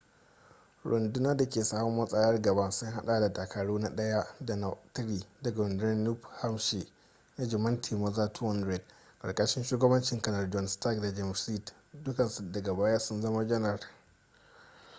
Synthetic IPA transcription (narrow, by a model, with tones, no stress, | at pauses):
ɽʔʊ̰˨ndʊ˦naː˦da˨kʲeː˨saː˦mɔ˦mːɐ˦sʼɐ˦jɐ˦rɡɐ˨ba˦sʊ˦ŋɦa˦ɗa˨da˨da˨kʰa˨ɽuː˦na˦ɗɐ˦ja˦da˨na˨tɪ˦ɾiː˨dɐ˨ɡa˨ɾʊ˨ndʊ˦nɐ˦nːu˦pha˦mʃe˨ | na˦d͡ʒɪ˨mɐ˦ntʰiː˨mɐ˦zaː˦tʰwɔ˦ndɾɛ˨tkʼɐ̰˨ɽkʼɐ˦ʃɪ˦nʃuː˦ɡɐ˦bɐ˦nt͡ʃɪ˨ŋkɐ˦nɐ˨rd͡ʒɔ˦nsta˦˨kda˨d͡ʒɛ˦msi˦˨t | dʊ˦kɐ˨nsu˨dɐ˨ɡa˨baː˦ja˦sʊ˦nzɐ˦ma˦d͡ʒɐ˦nɐ˨r